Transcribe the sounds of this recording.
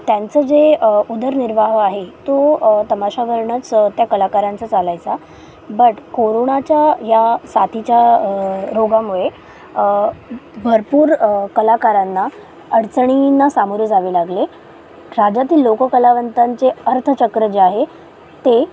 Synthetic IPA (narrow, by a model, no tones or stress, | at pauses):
t̪jant͡səːd͡zeud̪əɾniɾʋaɦaɦet̪ot̪əmaɕaʋəɾɳət͡st̪jakəlakaɾant͡sət͡salajt͡sa | bəʈkoɾoɳat͡ɕjajasat̪ʰit͡ɕja | ɾoɡamuɭe | bʱəɾpuːɾkəlakaɾanːa | əɽt͡səɳ̃inasamuɾud͡zaʋiːlaɡle | ɾad͡ʑat̪iːlːokəkəlaʋənt̪aɲt͡seəɾt̪ʰət͡ɕəkɾəd͡ʑeaɦe | t̪e